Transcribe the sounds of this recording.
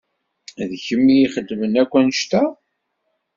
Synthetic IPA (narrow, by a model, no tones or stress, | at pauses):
ðçəmːijiχəd̪ːmənækʷːænʃt̪æ